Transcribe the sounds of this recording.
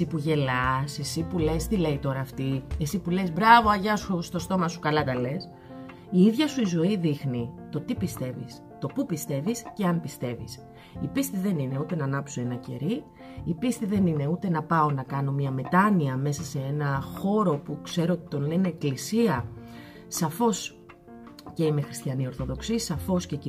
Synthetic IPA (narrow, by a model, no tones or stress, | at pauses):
eipuʝe̞lɐse̞sipule̞st̪ile̞it̪o̞ɾɐːft̪iesipule̞zbɾɐvo̞ɐʝɐsust̪o̞st̪o̞mɐsu̥kɐlɐk̪ɐle̞s | iiðʝɐsuizo̞iðixnit̪o̞t̪ipist̪e̞vḭs | t̪o̞pupist̪e̞visce̞ɐnpist̪e̞vḭs | ipist̪iðe̞nine̞ut̪e̞nɐnɐpsoe̞nɐce̞̰ɾi | ipist̪iðe̞nine̞ut̪e̞nɐpɐo̞nɐkɐno̞mɲɐme̞t̪ɐniɐme̞sɐse̞enɐxo̞ɾo̞pukse̞ɾoot̪it̪o̞nle̞ne̞ːklisiɐ | sɐfo̞s | ceime̞xɾi̥st̪çɐnio̞ɾθo̞ðo̞ksisɐfo̞sce